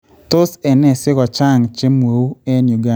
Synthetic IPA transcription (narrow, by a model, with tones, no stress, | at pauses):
to˦sɛ˨nɛ˦˨sɪ˦ɣɔ˨t͡ʃa˦˨ŋt͡ʃe˦mwo˨u˦e˦nju˨ɡa˦